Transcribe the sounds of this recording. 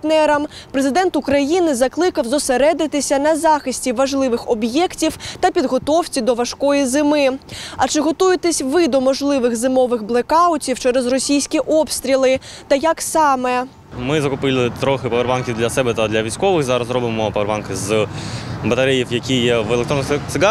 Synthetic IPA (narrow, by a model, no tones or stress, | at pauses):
t̪nɛɾɐmpɾezɪd̪ɛnt̪ʊkɾɐjinɪzɐklˠɪkɐwzɔseɾɛd̪ɪt̪ɪsʲɐnɐzɑxɪsʲtʲiʋɐʒlˠɪʋɪxɔbjɛktʲiwt̪ɐpʲid̪ɦɔt̪ɔwt͡sʲid̪ɔʋɐʃkɔjizɪmɪɐt͡ʃɪɦɔt̪ujet̪esʲʋɪd̪ɔmɔʒlˠɪʋɪɣzɪmɔʋɪɣblˠekɑʊtʲiwt͡ʃɛɾezrɔsʲijsʲkʲiʔɔpst̪ʲɾʲilˠɪt̪ɐjɐksɑmɛ | mɪzɐkʊpɪlʲˠɪt̪ɾɔxɪpɐʋrʋɑnkʲiwd̪lʲɐsɛbɛt̪ɐd̪lʲɐʋʲisʲkɔʋɪxzɑɾɐzɾɔbɪmɔpɐʋeɾʋɑnkɪz | bɐt̪ɐɾɛjiwjɐkʲijɛʋelekt̪ɾɔnt̪ɪɡɑ